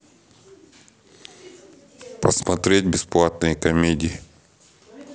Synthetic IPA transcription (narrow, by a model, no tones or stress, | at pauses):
pəsmɐt̪ɾʲedʲbʲɪsplˠat̪nɨjəkɐmʲedʲɪɪ